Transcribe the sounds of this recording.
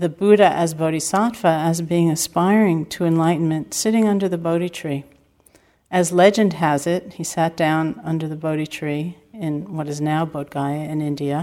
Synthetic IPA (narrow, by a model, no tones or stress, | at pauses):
ðɨbʉɾɨʔɨzboʊɾisɑtfəɨzbiɪ̃ŋɨspaɪɹɪ̃ŋtʰəɨ̃nlaɪʔn̩mɨ̃ntsɪɾɪ̃ŋʌ̃ndə˞ðɨboʊɾitʰɹ̥i | ʔɨzlɛd͡ʒɨ̃nd̚ɨzɪt̚hisæt̚d̥ãʊ̃nʌ̃ndə˞ðɨboʊɾitʰɹ̥i | ɪ̃nwʌɾɨznaʊboʊt̚ɡ̥aɪɨɨ̃nɪ̃ndiɨ